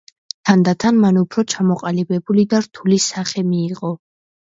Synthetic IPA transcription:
t̪ʰand̪at̪ʰanmanupʰɾɔt͡ʃʰamɔqʼalibɛbulid̪aɾt̪ʰulisaχɛmiːqʼɔ

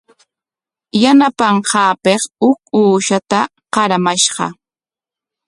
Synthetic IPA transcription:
janapɑɴqɑːpeχʊk̚uːʃat̪a | qɑɾamaʃɢɑ̰

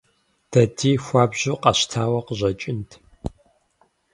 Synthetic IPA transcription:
d̥ʰɐtʰiːxʷaːbʑuqɑɕtʰaːwɐqəʑɐt͡ʃʼɪntʰ

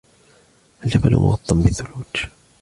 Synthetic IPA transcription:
ʔald͡ʒabal̰mʔʊ̰ɣɑt̪ˤːɑmbɪθːʊluːt̪

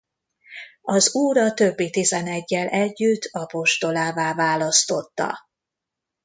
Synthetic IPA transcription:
ɒzuːɾɒt̪ø̞bːit̪izɛnɛɟːɛlʔɛɟːyt̪ʰːɒpo̞ʃt̪o̞laːvaːvaːlɒst̪o̞t̪ːɒ̰

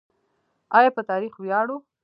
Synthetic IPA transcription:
ɑjɑpət̪ɑɾixwjɑɽu

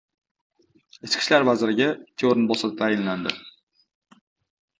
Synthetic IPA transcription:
et͡ʃkʲʰɪ̥ʃlaɾvazɪɾɪɡʲat̪ʰeoɾɪnbɒsat̪̚t̪ʰajɪnland̪ɪ

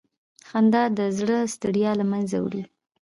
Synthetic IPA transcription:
xand̪ɑd̪əzɽəst̪əɽjɑlamanza̰wɽi

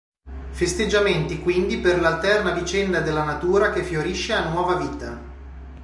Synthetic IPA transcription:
fest̪ed͡ʒːament̪ikwind̪iperlalt̪ɛrnavit͡ʃɛnd̪ad̪elːanat̪uːɾakefjoɾiʃːeanwɔːvaviːt̪a̰

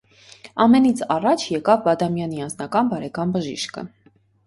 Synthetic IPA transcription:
ɑmɛnit͡sʰɑrɑt͡ʃʰjɛkɑvbɑd̪ɑmjɑniɑnd͡znɑkɑnbɑɾɛkɑnbəʒḭʃkə̰

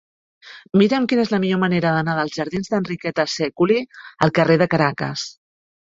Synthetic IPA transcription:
miɾəmkinezləmiʎoməneɾəðənaðəlˠzʒəɾðinzðənrikɛt̪əsɛkuliə̰lˠkəreðəkəɾakə̰s

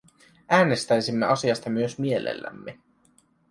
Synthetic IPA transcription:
ʔæːne̞st̪æjsimːeɑsiɑst̪ɑmyøsmie̞lḛlːæ̰mːe

